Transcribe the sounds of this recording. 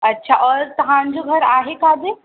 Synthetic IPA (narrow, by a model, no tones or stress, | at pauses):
ɐtːɕʰaʔɔːɾt̪ɐɦãɲd͡ʑoɡʱɐɾaːɦekaːd̪e